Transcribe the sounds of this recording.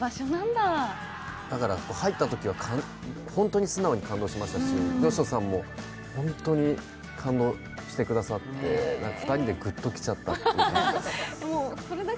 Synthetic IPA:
baɕonãnd̪a | d̪̥akaɾakoːhait̪ːat̪o̞kʲiβakʰãn | hõnt̪o̞ɲ̟isɨnao̞ɲ̟ikãnd̪o̞ːɕimaɕi̥t̪aɕijo̞ɕosãmːo̞ | hõ̞nt̪o̞ɲ̟i | kʰãnd̪o̞ː | ɕi̥t̪e̞kɯ̟d̪asat̪ːe̞̰nãŋkafɯ̥t̪aɾʲid̪e̞ɡɯ̟t̪ːo̞kʲi̥t͡ɕat̪ːat̪ː | emoso̞ɾed̪a

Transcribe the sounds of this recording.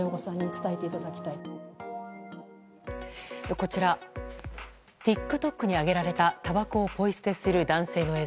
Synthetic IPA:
oɡosãɲ̟ːit͡sɨ̥t̪aet̪e̞it̪ad̪akʲi̥t̪ai | ko̞t͡ɕiɾa | t̪ʲikːɯ̟t̪o̞kːɯ̟ɲ̟iaɡe̞ɾaɾe̞t̪at̪abakoːpo̞isɨ̥t̪e̞sɨɾɯ̟d̪ãɰ̃se̞ːno̞e̞ː

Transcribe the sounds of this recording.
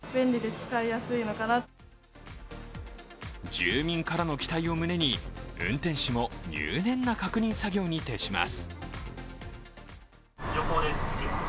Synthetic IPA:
bẽ̞nʲɾʲid̪e̞t͡sɨ̥kaijasɨino̞kana | d͡ʑɨːmʲĩŋkaɾano̞kʲi̥t̪aio̞mɯ̟ne̞ɲ̟iɯ̟̰̃nt̪ẽ̞ɰ̃ɕimo̞ɲɨ̰ːnẽ̞nːakakɯ̟ɲ̟ĩɰ̃saɡʲo̞ːɲ̟it̪e̞ɕima̰sɨ̥ | d͡ʑoɦoːd̪eitʲe

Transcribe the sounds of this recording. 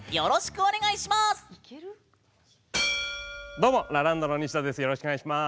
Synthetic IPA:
jo̞ɾoɕi̥kɯ̟onʲe̞ɡaiɕimas | d̪omoɾaɾãnd̪oɾoɲ̟iɕi̥t̪ad̪e̞sɨjo̞ɾo̞ɕi̥kɯaiɕima

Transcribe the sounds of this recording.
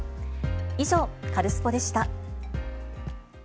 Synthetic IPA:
iʑo̞kaɾɯ̟sɨ̥po̞d̪e̞ɕi̥t̪a

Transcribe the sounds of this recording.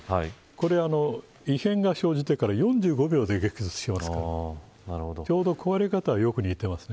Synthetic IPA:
hai | ko̞ɾe̞ano̞ | ihẽ̞ŋɡaɕo̞ːd͡ʑit̪e̞kaɾajõ̞ɲd͡ʑɨːɡo̞bʲo̞ːd̪e̞ɡe̞kɯzɨt͡sɨ̥ɕimasɨka | naɾɯhod̪ot͡ɕo̞ːd̪o̞ko̞βaɾekat̪aβajo̞kɯ̟ɲ̟iːt̪e̞masɨ̥ne

